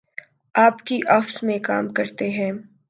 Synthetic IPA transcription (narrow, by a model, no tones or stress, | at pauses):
aːpkiʔɐfsmẽka̰ːmkɐɾt̪eɦɛ̃ː